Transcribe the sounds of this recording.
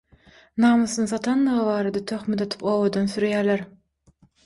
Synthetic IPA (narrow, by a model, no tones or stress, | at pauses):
nɑːmɯsɯnɯθɑt̪ʰɑnd̪ɯʁɯβɑːɾɑd̪ɑt̪ʰøχmet̪ɑt̪ʰɯ̥poːβod̪onsyɾjæːlæɾ